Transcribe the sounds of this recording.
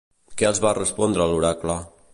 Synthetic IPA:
kɛəlˠzβarəspɔnd̪ɾəaluɾakla

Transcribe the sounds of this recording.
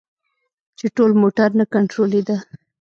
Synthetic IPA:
t͡ʃeʈolmoʈaɾnakaɳʈɾoled̪a

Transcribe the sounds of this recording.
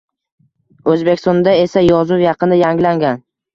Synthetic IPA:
ɵzbekʲst̪ɒnd̪ae̞sajɒzʊwjɑqʰɨnɪjaŋlaŋɡʲan

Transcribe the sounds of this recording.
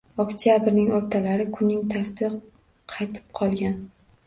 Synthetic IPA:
ɒkt̪ʰijabɪɾnɪŋoɾt̪ʰalaɾɪkʰʊnːɪŋt̪ʰaft̪ʰɪq | qʰɑjt̪ʰɪ̥p̚qʰɒlˠɡʲan

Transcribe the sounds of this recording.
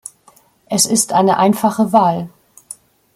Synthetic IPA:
ʔɛsɪstʔaɪnəʔaɪnfaχəvaːl

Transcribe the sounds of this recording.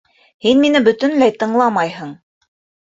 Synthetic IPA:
hinminɘbɵ̆t̪ɵ̆nlæjt̪ɤ̆ɴlˠɑmɑjɦɤɴ

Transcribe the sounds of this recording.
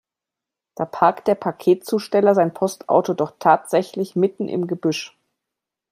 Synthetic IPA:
d̥aːpʰaɐktd̥eːɐpʰakʰeːtt͡suːʃtɛlɐzaɪnpʰɔstʔa̰ʊtodɔχtʰːaːtz̥ɛçlɪçmɪtn̩ʔɪ̰mɡəbʏʃ

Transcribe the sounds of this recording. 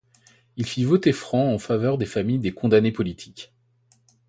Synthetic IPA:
ilfivot̪efχɑ̃ɑ̃favœʁd̪efamijd̪ekɔ̃d̪anepɔlit̪ʰi̥kʲ

